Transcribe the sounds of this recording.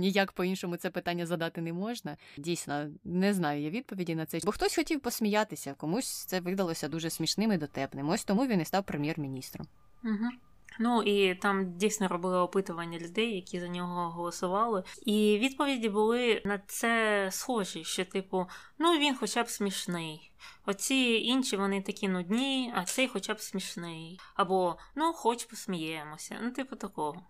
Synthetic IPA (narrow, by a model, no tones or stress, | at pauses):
nʲijakpɔinʃɔmʊt̪sɛpɪt̪anʲːɐzɐd̪ɑt̪ɪnɛmɔʒnɐdʲijsʲnɔnɛznɑjʊjaʋʲid̪̚pɔʋʲidʲinɐt̪sɛbɔxt̪ɔsʲxɔtʲiwpɔsʲmʲijat̪ɪsʲɐkɔmusʲt̪sɛʋɪd̪ɐlˠɔsʲɐd̪uʒɛsʲmʲiʃnɪmɪd̪ɔt̪ɛpnɪmɔsʲt̪ɔmuʋʲinɪst̪ɑwpɾemʲjɛrmʲinʲist̪ɾɔ̰m | m̩ɦ̩ | nuit̪ɑmdʲijsʲnɔɾɔbɪlˠɪɔpɪt̪ʊʋɐnʲːɐlʲʊd̪ɛjːɐkʲizɐnʲɔɦɔɦɔlˠɔsʊʋɑlˠɪiʋʲid̪pɔʋʲidʲibʊlˠɪnɐt̪sɛsxɔʒiʃt͡ʃɛt̪ɪpʊ | nuʋʲinxɔt͡ʃabsʲmʲiʃnɪj | ɔt͡sʲiinʃʲiʋɔnɪt̪ɐkʲinʊdʲnʲijɐsɛjxɔt͡ʃabsʲmʲiʃnɪjɐbɔnuxɔt͡ʃpɔsʲmʲijɛmɔsʲɐ̰nut̪ɪpʊt̪ɐkɔɦɔ